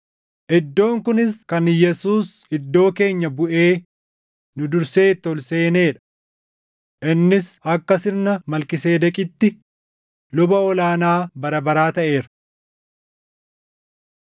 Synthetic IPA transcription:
ʔɪd̪ːo̞ːŋkʊnɪskɐnjɛsuːsɪd̪ːo̞ːke̞ːɲːɐbʊʔe̞ː | nʊd̪ʊɾse̞ːt̪ːɔlse̞ːne̞ːᶑɐ̥ | ʔɪnːɪsɐkːɐsɪnnɐmɐlkɪse̞ːd̪ɐkʼɪt̪ːɪ | lʊbɐɔlaːnaːbɐɾɐbɐɾaːt̪ɐʔe̞ːɾɐ

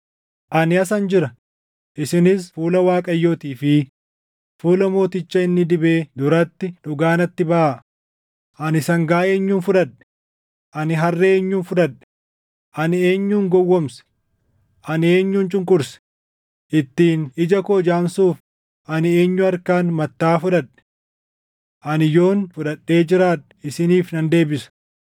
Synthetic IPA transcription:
ʔɐnɪɐsɐnd͡ʒɪɾɐ | ʔɪsɪnɪsfuːlɐwaːkʼɐjːoːt̪iːfɪ | fuːlɐmo̞ːt̪ɪt͡ʃːɐɪnːɪd̪ɪbe̞ːd̪ʊɾɐt̪ːɪᶑʊɡaːnɐt̪ːɪbɐʔaʔ | ʔɐnɪsɐŋɡaːe̞ːɲːuːnfʊᶑɐᶑɛ̥ | ʔɐnɪɦɐrːɛeːɲːuːnfʊᶑ̪ɐᶑɛ̥ | ʔɐnɪe̞ːɲːuːŋɡɔwːɔmsɐ̥ | ʔɐne̞ːɲːuːnt͡ʃʼʊŋkʼʊɾs | ʔɪt̪ːiːnɪd͡ʒɐkoːd͡ʒaːnsuːf | ʔɐnɪe̞ːɲːʊɐɾkaːnmɐt̪ːaːfʊᶑɐᶑɛ̥ | ʔɐnɪjo̞ːnfʊᶑɐɗːe̞ːd͡ʒɪɾaːᶑɐ̥ɪsɪniːfnɐnd̪e̞ːbɪsɐ̥

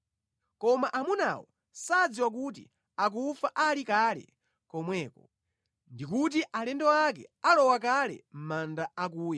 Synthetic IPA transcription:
kɔmaʔamuna̰wɔ̰ | sad͡ziwak̬ut̬ḭ | ak̬ufaʔalikalɛ̰ | kɔmwɛːkɔ | ndikut̬iʔalɛndɔakɛ̰alɔwak̬alɛ̰m̩mandaak̬uːja

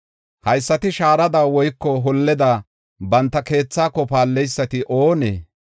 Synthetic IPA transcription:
hɐjsːɐt̪ɪʃaːɾɐd̪ɐwwɔjkːɔɦɔlːɛd̪aː | bɐnt̪ːɐke̞ːt͡sːaːkːɔpaːlːɛjsːɐt̪ɪʔoːnḛː

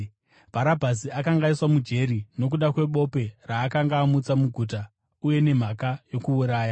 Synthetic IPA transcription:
b̥ʱaɾabʱasiakaŋɡaiswamud͡ʒe̞ɾino̞k̬uɗakwe̞ɓo̞pe̞raːkaŋɡaːmut͡samuɡʱuta | uje̞ne̞m̤akajo̞kuuɾaːja

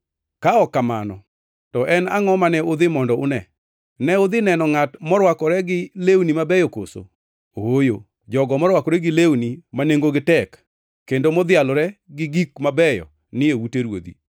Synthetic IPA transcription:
kaɔkːamanɔ | tɔʔɛnaŋɔmanɛʊd̪ɪmɔndɔʊnɛ | nɛʊd̪ɪnɛnɔŋatmɔɾwakɔɾɛɡɪlewnimabɛjɔko̰so̰ | oojo | d͡ʒɔɡɔmɔɾwakɔɾɛɡɪlewnimaneŋɡoɡɪtɛkː | endomɔd̪jalɾɛɡɪɡikmabɛjɔ̰ | nɪewuteɾwo̰d̪ḭ

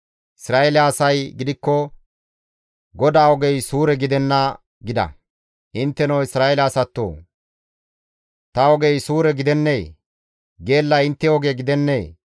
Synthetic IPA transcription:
ʔɪsɾaːelaːsɐjɡɪd̪ɪkːɔ | ɡɔd̪aːɔɡɛjsuːɾɛɡɪd̪ɛnːɐ | ɡɪd̪ɐ̰ | ʔɪnt̪ːɛnɐwɪsɾaːelaːsɐt̪ːo̰ː | t̪ɐɔɡɛjsuːɾɛɡɪd̪ɛnːeː | ɡe̞ːlːɐɪnt̪ːɛɔɡeːɡɪd̪ɛnːeː

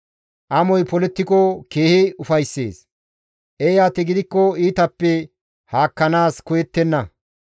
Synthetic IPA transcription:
ʔɐmɔjpɔlɛt̪ːɪkɔke̞ːhɪʊfɐjsːḛːs | ʔejaːt̪ɛɡɪd̪ɪkːɔiːt̪ɐpːɛ | haːkːɐnaːskɔjɛt̪ːɛnːɐ

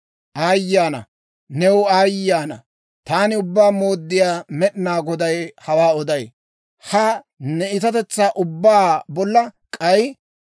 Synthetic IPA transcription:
ʔaːjːaːnɐ̰ | nɛwaːjːaːnɐ̰ | t̪aːnɪʊbːaːmoːd̪ːɪjaːmɛɗnaːɡɔd̪ɐjhɐwaːɔd̪ɐj | hɐ | nɛɪt̪ɐt̪ɛt͡sːaːʔʊbːaːbɔlːɐkʼɐj

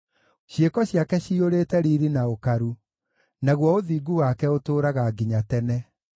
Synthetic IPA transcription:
ɕjekɔɕjakɛɕioɾeːtɛɾiɾinaokaɾu | naɣwɔoðiːɡuwakɛotoːɾaɣaɡiɲatɛnɛ

